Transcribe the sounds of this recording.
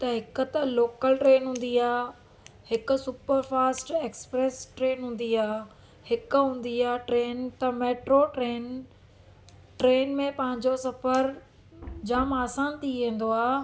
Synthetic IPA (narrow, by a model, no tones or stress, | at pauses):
t̪ɐɦɪkʊ̆t̪ɐloːkəlʈɾeːnɦũːn̆d̪iaː | hɪkʊ̆sʊpəɾfaːsʈeːksə̥pɾeːsʈɾeːnɦũːn̆d̪iaː | hɪkʊ̆ɦũːn̆d̪iaːʈɾeːnt̪ɐmeːʈɾoʈɾeːn | ʈɾeːnmẽpɐ̃ɦɪ̃ɲd͡ʑosɐfəɾ | d͡ʑaːmaːsaːnt̪ʰiʋẽːn̆d̪oaː